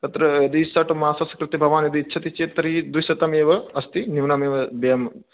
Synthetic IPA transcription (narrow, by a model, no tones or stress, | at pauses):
t̪ɐt̪ɾɐɐd̪isaʈumaːsɐsɐ̥kɾɨt̪ibʱɐʋaːnjɐd̪iːtːt͡ʃʰɐt̪it͡ʃeːt̪ɐɾid̪isɐt̪ɐmeːʋɐɐst̪iniʋnɐmeːʋɐbɐjɐm